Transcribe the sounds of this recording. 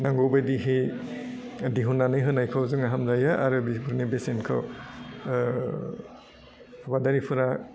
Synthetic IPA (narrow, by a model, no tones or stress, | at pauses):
naŋɡowbajdiɦej | diɦunːanɯjɦɯnajkʰawzɯŋaɦamzajaʔaɾɯbibuɾnibesenkʰɯ̰w | badaɾipʰɯɾa